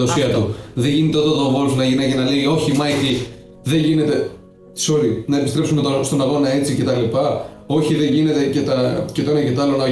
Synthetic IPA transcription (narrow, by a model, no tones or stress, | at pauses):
ðosiɐt̪uðeʝinit̪eot̪oðovolfnɐʝinɐcenɐleio̞çimɐki | ðe̞ʝine̞t̪e̞̥ | soɾinɐepist̪ɾe̞psumet̪ost̪o̞nɐɣo̞nɐe̞t͡sice̞t̪ɐlipɐ | o̞çiðe̞ʝine̞t̪e̞cet̪ɐcet̪oenɐcet̪oɐlo̞nɐ